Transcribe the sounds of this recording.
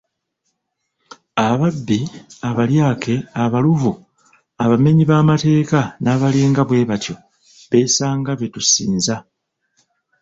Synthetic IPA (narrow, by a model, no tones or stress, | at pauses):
aβabːiaβaljaːke̞aβaluvu | aβame̞ɲiβaːmate̞ːkanaːβaleːŋɡaβwe̞ːβatjo̞ | βe̞saːŋɡaβe̞tusiːnza